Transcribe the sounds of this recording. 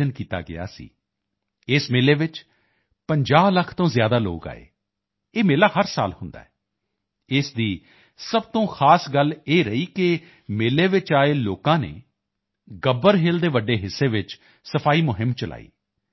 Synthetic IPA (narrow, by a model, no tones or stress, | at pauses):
ənkiːt̪a̰ːɡɪ̰a̰ːsḭː | ɪsmeːleːʋɪt͡ʃ | pəɲd͡ʒaːbləkʰt̪õːzjaːd̪aːlo̰ːka̰ːḛː | eːmeːlaːɦəɾsa̰ːlhʊnd̪a̰ːɛː | ɪsd̪iː | səbt̪õːxʰaːsɡəleːɾəiːkɪ | meːleːʋɪt͡ʃaːeːloːkãːnḛː | ɡəbəɾɦeːld̪eːʋəɖːeːɦɪsːeːʋɪt͡ʃ | səpʰaːiːmʊɦɪmːt͡ʃəlʔa̰ːḭː